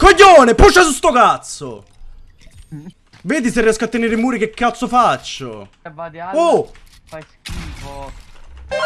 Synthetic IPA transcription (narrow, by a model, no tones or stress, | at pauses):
koʎːoːneput͡ʃːasust̪okat̪so̰ | veːd̪iseriɛskoat̪ːeneːɾimuːɾik̟ekːat̪sːofat͡ʃːo̰ | o